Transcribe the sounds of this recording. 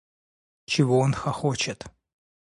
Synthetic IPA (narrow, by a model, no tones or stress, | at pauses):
t͡ʃʰɪvoonxɐxot͡ʃɪt̪